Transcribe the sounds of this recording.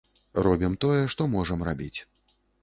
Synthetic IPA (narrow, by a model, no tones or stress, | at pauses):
rɔbʲimt̪ɔjɛʂt̪ɔmɔʐɐmrabʲit͡sʲ